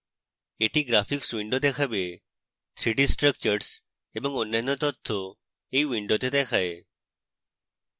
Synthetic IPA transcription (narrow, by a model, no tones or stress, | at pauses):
eʈiɡɾafiksʋiɳɖot̪̬ekʰabe | t̪ʰɾiɖisʈɾək̚t͡ʃəɾs | ebəŋɡonːanot̪ɔt̪ʰːo | eiʋiɳɖot̪et̪ekʰae